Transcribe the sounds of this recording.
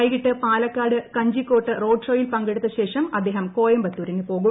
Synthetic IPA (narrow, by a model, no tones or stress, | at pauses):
ɐjkiʈːɨpaːlɐkːaːɽɨkɐɲd͡ʑikːo̞ːʈːɨro̞ːɖʂo̞ːjilpɐŋɡeɽut̪ːɐɕe̞ːʂɐmɐd̪ːe̞ːɦɐmko̞ːjɐmbɐt̪ːuːɾinɨpo̞ːɣu